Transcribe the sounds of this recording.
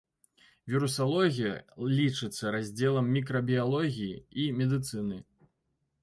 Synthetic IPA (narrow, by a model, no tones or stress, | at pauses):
vʲiɾusalˠɔɣʲijɐ̰lʲit͡ʂɨt̪sːɐɾazʲd͡zʲɛlˠɐmːʲikɾɐbʲialˠɔɣʲijiimʲɛd̪ɨt̪sɨnɨ